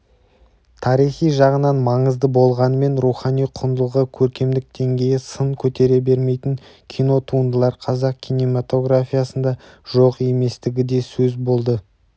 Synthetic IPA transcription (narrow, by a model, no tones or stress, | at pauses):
t̪ʰɑɾijχijʒɑʁənɑnmɑɴəzd̪əbo̞lˠʁɑnəme̞nɾuχɑnijqʰʊnd̪əlˠʁəkʲʰɵɾkʲe̞md̪ɪk̚d̪̥e̞ŋɡʲe̞jɪsəɴkʲʰɵt̪e̞ɾe̞be̞ɾme̞jt̪ɪŋkʲʰijno̞t̪ʰuənd̪əlˠɑɾqʰɑzɑq̚kʲʰijnemat̪o̞ɡɾafʲijasənd̪ɑʒ̥o̞qe̞me̞st̪ɪɡʲɪd̪e̞sɵzbo̞lˠd̪ə